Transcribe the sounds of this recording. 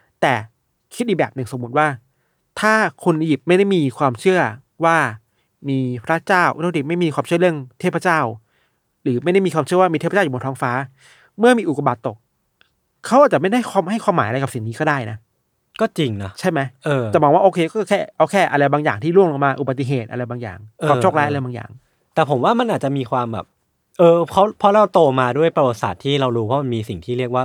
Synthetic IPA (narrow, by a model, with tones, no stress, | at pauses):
t̪ɛː˨˩ | kʰi˦t̪̚ʔi˨˩bɛː˨˩p̚nɯ˨˩ŋso˩˦mːu˨˩t̪̚waː˥˩ | t̪ʰaː˥˩kʰu˧n˧ji˨˩p̚ma˥˩jda˥˩jmiː˧kʰwaː˧mt͡ɕʰɯ˥˩ɐ | waː˥˩ | miː˧pʰɾa˦˥t͡ɕaː˥˩wʔu˧˥n˥˧˥i˨˩ma˥˩jmiː˧kʰwaː˧mt͡ɕʰɯ˥˩˦ɯ˥˩əŋt̪ʰeː˥˩pʰa˧˦t͡ɕaː˥˩w | ɾɯː˩˦ma˥˩ja˥˩jmiː˧kʰwaː˧t͡ɕʰɯ˥˩əwaː˥˩i˧eː˥˩pʰːnt̪ʰɔː˦˥ŋfaː˦˥ | mɯ˥˩ɐmiː˧ʔu˨˩ka˧ba˨˩t̪ːo˨˩k̚ʰː | a˦˥wʔaː˨˩t͡ɕa˨˩ma˥˩jda˥˩jkʰaː˧mɦa˥˩jkʰwaː˧maː˩˦ʔa˧ɾa˧jka˨˩psi˨˩ŋniː˦˥kɔː˥˩daː˥˩jna˦˥ | kɔː˥˩t͡ɕi˧ŋna˦˥t͡ɕʰa˥˩jma˦˥jʔɤː˧t͡ɕa˨˩mɔː˧ŋwaː˥˩ʔoː˧kʰeː˧kɔː˥˩˧kʰɛː˥˩ʔa˧wkʰɛː˥˩ʔa˧ɾa˧jbaː˧ŋjaː˨˩ŋt̪ʰiː˥˩lu˥˩əŋlo˧˩maː˧ʔu˨˩ba˨˩t̪ːi˨˩ɦeː˨˩t̪̚ʔa˧ɾa˧jbaː˧ŋja̰ː˨˩ŋʔɤː˧t͡ɕʰo˥˩klaː˦˥jʔɾa˧jbaː˧ŋja̰ː˨˩ŋ | t̪ɛː˨˩pʰo˩˦mwaː˥˩ma˧nʔaː˨˩t̪̚t͡ɕa˨˩miː˧kʰwaː˧mbɛ̰˨˩p̚ | ʔɤː˧pʰa˦˥wpʰɔ˦˥lɛː˦˥˩t̪oː˧maː˧du˥˩əjpɾa˧wa˨˩t̪̚sa̰ː˨˩t̪ʰːiː˥˩ɾa˧wduː˧pʰɔ˦˥ma˧nmiː˧si˨˩ŋt̪ʰiː˥˩ɾi˥˩ək̚waː˥˩